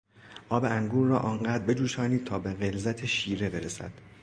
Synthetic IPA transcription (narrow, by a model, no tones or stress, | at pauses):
ʔɒːbe̞ʔæŋɡuːɾːɒːʔɒːɴɢæːd̪ɾbe̞d͡ʒuːʃɒːniːd̪̚t̪ʰɒːbe̞ɣe̞lzæt̪ʰeʃiːɾe̞be̞ɾesæ̰d̪̥